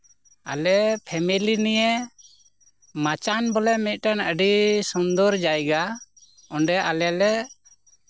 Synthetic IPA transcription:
a̰lɛpʰɛmilinijɛ | mat͡ʃanbɔlɛmit̪̚ˀʈanəɖisɔnd̪ɔɾd͡ʒajɡa | ɔɳɖɛʔalɛalɛ

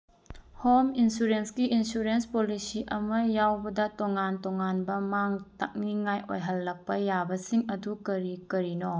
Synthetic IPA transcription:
hominsuɾenskiinsuɾenspolisiʔɐmɐjawbɐdɐtoŋantoŋanbɐmaŋta̰k̚niŋajʔo̰jɦɐlːɐk̚pɐjabɐsiŋɐdukɐɾikɐɾino

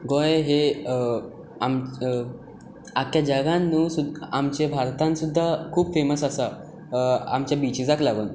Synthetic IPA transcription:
ɡoeɦe | am | akjad͡ʑəɡãnːuːsud̪amt͡ɕebʱaɾt̪ãnsud̪ʱːakʰuːbfeməsəsa | a̰mt͡ɕjabit͡ɕid͡zaklaɡṵn

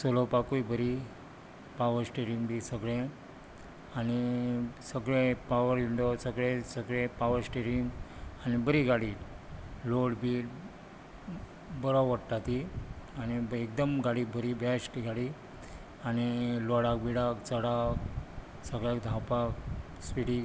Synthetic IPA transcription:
solopakujbəɾi | paʋəɾsʈeɾiŋɡbisəɡɭẽ | anisəɡɭẽpaʋəɾʋiɳɖosəɡɭẽsəɡɭẽpaʋəɾsʈeɾiŋɡanibəɾiɡaɽi | loɽbiːɾ | bəɾawʋəɽʈ̪at̪ianiek̚d̪əmɡaɽibʱəɾibjasʈiɡaɽi | aniloɽakbiɽakt͡səɽakk | səɡɭjakd̪ʱapak | sʋiɽi

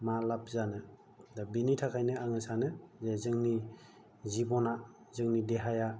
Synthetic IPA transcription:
malap̚ʰzanɯ | dabinitʰakʰajnɯaŋɯsanɯzezɯŋni | zibɔna | zɯŋnideɦaja

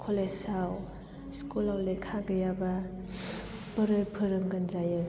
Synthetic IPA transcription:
kʰolesaw | skulawlekʰaɡɯjaba | pəɾɯɾpʰɯɾɯŋɡənzajɯ

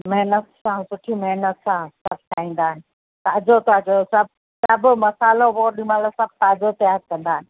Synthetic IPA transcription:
mɐɦnət̪sãsʊʈʰimɐɦnət̪sãsɐb̚t̪ʰaːĩːnd̪aːɦɪnɪ̆ | t̪aːd͡ʑot̪at͡ɕɐosɐb̚ | sɐbʊmɐsaːloʋoːɾɗĩmaːlosɐ̃b̚taːd͡ʑot̪ɐjaːɾ̚kɐ̃nd̪aːɦɪnɪ̆

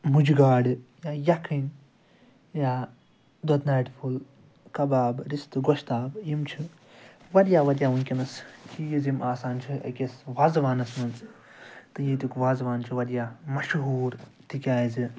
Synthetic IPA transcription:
mud͡ʒiɡaːɖjaːjɐkʰin | jaː | d̪ɐt̪naːʈpʰul | kɐbaːbɾist̪ɨɡoʃt̪aːbjimt͡ʃʰi | ʋɐɾjaːʋɐɾʲjaːʋunʲkʲinɐskʰijizimʔaːsaːnt͡ʃʰiɐ̰kʲesʋaːzʋaːnɐsnɐnt͡s | t̪ɨjiːt̪ukʋaːzʋaːnt͡ʃʰiʋɐɾʲjaːmɐʃɦuːɾt̪ʰikʲaːjzɨ

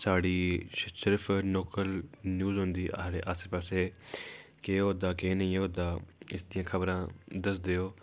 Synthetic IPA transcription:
saːɽiːsɪɾpʰnoːkəlnjuːzɦʊ̃nd̪iːʔɾeʔəspəːseː | keːɦoːd̪aːkeːnəĩːɦoːd̪aːɪsd̪ijãːkʰəbɾãːd̪əs̬d̪eːoː

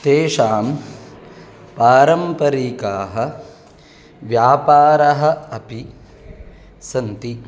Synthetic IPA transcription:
t̪eːʂaːm | paːɾɐmpɐɾiːkaːɦɐ̆ | ʋjaːpaːɾɐɦɐ̆ɐpi | sɐnt̪i

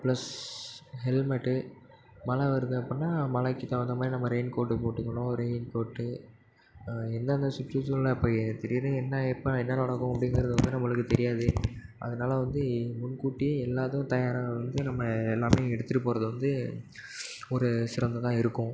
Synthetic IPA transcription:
plɐs | hɛlmɐʈːɯ | mɐlɐʋɐɾɯnɯ̃ɐpːɐnːaːmɐlɐkːɪt̪ɐʋɐnd̪ɐmaːd̪ɾinɐmːɐɾɛɪnkoːʈːɯpoːʈːɯkːɐɳʊ̃ɾɛɪnkoːʈːɯ | ɛnd̪ɐːnd̪ɐsʊʈːusɔlːɐɪpːɐːt̪ɛɾɪjðɯ̃ɛnːɐɛpːɐɛnːɐnɐɽɐkːʊ̃ɐpːɐɽɪnɡɪɾɐðɯʋɐnd̪ɯnɐmːɐɭɯkːɯt̪ɛɾɪjaːðɯʔɐ̰ðɐnaːlɐʋɐnd̪ɯmʊɳkuːʈːiɛlːaːt̪ɐʊ̃t̪ɐjaːɾãʋɐnd̪ɯnɐmːɐɛlːaːmeːɛɽɯt̪ːɯʈːɯpːoːɾɐðɯʋɐnd̪ɯ | ɔɾɯsɪɾɐnd̪ɐt̪ãːɪɾɯkːʊ̃

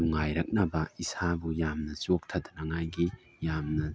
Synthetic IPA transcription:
uŋajɾɐk̚nɐbɐisabujamnɐt͡ʃok̚t̪ʰɐd̪ɐnɐŋajɡi | jamnɐ

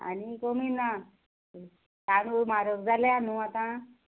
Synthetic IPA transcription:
a̰nikomiːna | t̪añumaɾoɡd͡zaljanuat̪ã

